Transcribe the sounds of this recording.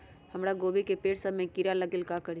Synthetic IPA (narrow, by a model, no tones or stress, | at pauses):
həmɾaɡoːbikepeːʈsəmẽkiɾaləɡɪlkakəɾi